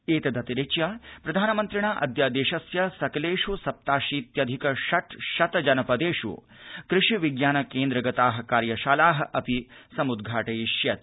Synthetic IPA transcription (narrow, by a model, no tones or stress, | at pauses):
eːt̪ɐd̪ɐt̪iɾet͡ʃjapɾɐd̪ʱaːnɐmɐnt̪ɾiɳaːʔɐ̰d̪jaːd̪eːʃɐsjɐsɐkɐleːʂusɐp̚t̪aːʃiːt̪jɐd̪ʱikɐʃɐt̪ʃɐt̪ɐd͡ʒɐnɐpɐd̪eːʂṵ | kɾɪʂiʋiɡjaːnɐkeːnd̪ɾɐɡɐt̪aːɦɐ̆kaːɾjɐʃaːlaːɦɐ̆ʔɐpisɐmud̪ɡʱaːʈɐjiʃjɐt̪